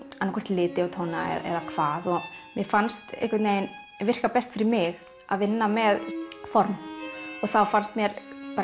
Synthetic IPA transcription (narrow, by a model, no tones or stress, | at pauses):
anːakʰɛr̥t̪lɪːt̪ɪawt̪ʰowna̰ɛ̰ɛ̰ðakʰv̥aːðɔɣmjɛfanst̪ɪ̰hkʰvat̪neːjn | vɪr̥kapɛst̪fɪɾɪɾmɪɣ | a̰ðvɪnːamɛðfɔɾmɔɣθawfanst̪mjɛɾpaɾ